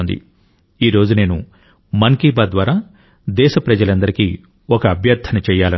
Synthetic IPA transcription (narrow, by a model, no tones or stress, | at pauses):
nd̪ḭ | iːɾo̞ːd͡ʒune̞ːnṵ | mɐŋkiːbaːd̪ʋaːɾaː | d̪ɛːʃɐpɾɐd͡ʒɐlɐnd̪ɐɾikiː | ɔkɐːbʱjɐɾd̪ʰʱɐnɐt͡ʃɛːjaːlɐ